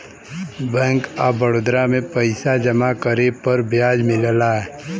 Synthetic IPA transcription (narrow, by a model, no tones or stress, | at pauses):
bɛ̃ːŋkabəɽoːd̪ɾamẽpəɪsad͡ʒɐmakəɾepəɾbʱjaːd͡ʒmɪllaɦɛ